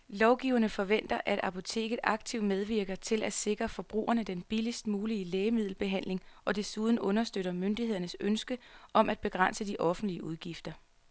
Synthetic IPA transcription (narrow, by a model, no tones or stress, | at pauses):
lɒʊɡ̥iːʊɐnəfɒ̽ʋen̰d̥ɐʔæd̥ɑ̈pʰo̝t͡sʰe̝̰ːɡ̥ð̩ˠɑ̈ɡ̥̚t͡sʰiʊd̥með̞ˠʋiɐɡ̥ɐt͡sʰe̝læd̥se̝ɡ̥ʁɐfɒ̽b̥ʁṵːɐnəd̥enb̥ilisd̥muːliəleːmið̞̰ˠl̩b̥e̝ɦæn̰le̝ŋʔɒ̽d̥e̝suð̞ˠn̩ɔ̽nɐsd̥øɾɐmønd̥ihe̝ð̰ˠɐnəsønsɡ̥əʔɒ̽mʔæd̥̚b̥e̝ɡ̥ʁɑn̰səd̥iʔɒ̽fn̩d̥liəuð̞ˠɡ̥ifd̥ɐ